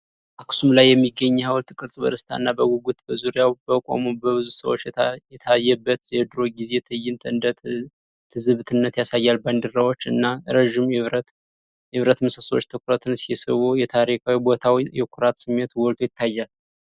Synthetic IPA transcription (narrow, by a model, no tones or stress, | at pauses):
ʔakʰsumlajːɛmːiɡːəɲːhawlt̪ʰɨkʼɨɾsʼbəd̪əst̪ʰa̰ɨnːabəɡɔɡut̪bəzuɾjawbəkʼa̰mubəβɨzusə̰wot͡ʃːjjɛt̪ʰajːɛbːət̪jɛd̪ɾo̞ɡizet̪ʰəjɪnt̪ʰɨnd̪ə | t̪ʰɨzɨβt̪ʰɨnːət̪jasajːalband̪ɨɾawo̞t͡ʃːɨ̰nːaɾəʒimβ | ɪβɾət̪məsəsot͡ʃːt̪ʰəkʰʊɾat̪ʰɨnsijɛsə̰wojɛt̪ʰaɾikʰawibot̪ʰawjɛkʰʊɾat̪sɨmːet̪wɔlt̪ʰo̞jɪt̪ʰːajːal